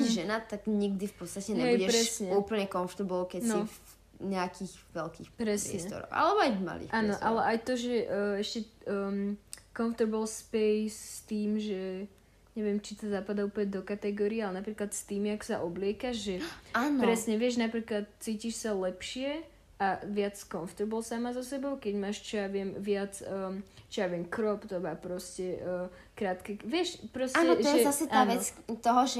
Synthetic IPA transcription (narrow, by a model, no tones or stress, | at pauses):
iʒɛnat̪aɡɲiɡd̪ifpɔt̪st̪acɛɲɛɪɛpɾʃɾɛsɲɛuːpl̩ɲɛkɔnft̪ɛɾbɔlkɛni | ɲɛakʰiːɣʋɛlkḭːxpɾɛsɛɛst̪ɔ̰ɾɔ̰a̰lɛbɔajvma̰lḭːʔaːnɔʔalɛʔajt̪ɔʒɛʔɛʃcɛ | kɔɱft̪ɛɾbəlspɛjsːt̪iːmʒɛ | ɲɛʋɛmt͡ʃit̪ɔzapad̪auːpl̩ɲɛd̪ɔkat̪ɛɡɔːɾiɛalɛnapɾiːklat̪st̪iːmjaksaʔɔblɪɛkaʒʒɛaːnɔpɾɛsɲɛʋɪɛʒnapɾiːklat̪̚t͡siːciʃsalɛpʃɪɛ | ʔaʋɪat͡skɔnft̪uɾbɔlsamazɔsɛbɔʊkɛɟmaːʃt͡ʃɔjaʋɪɛmʋɪat͡sət͡ʃɔjaʋɪɛmkɾɔpt̪ɔbaːpɾɔscɛʔ | kɾaːt̪kɛʋɪɛʃpɾɔsaːnɛɔɔʒjɛzasɛtaaːnʋɛt͡st̪ɔɦɔʒɛ